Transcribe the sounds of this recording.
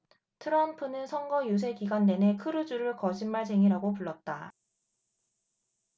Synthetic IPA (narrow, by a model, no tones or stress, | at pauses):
tʰɯɾʌnpʰɯnɯnsʰʌŋɡʌjus̬ʰe̞kiɡwande̞ne̞kʰɯɾɯd͡ʑuɾɯɭkʌd͡ʑinmaɭsʰe̞ŋiɾaɡopuɭːʌt̚t͈a